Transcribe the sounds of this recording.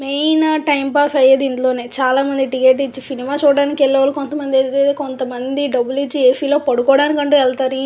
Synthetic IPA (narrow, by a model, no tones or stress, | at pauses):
mejnɐʈɐjmpaːfɐjeːd̪ind̪lo̞ːne̞ːt͡ʃaːlaːmɐnd̪iʈikeːʈit͡ʃːisinimaːt͡ʃuːɽaːnikɛlːɐʋɐlukont̪ɐmɐnd̪iet̪eːt̪ekont̪ɐmɐnd̪iɖɐbːulit͡ʃːieːpiːloːpɐɽukɔːɽaːnikɐɳʈuːɛlt̪aːɾi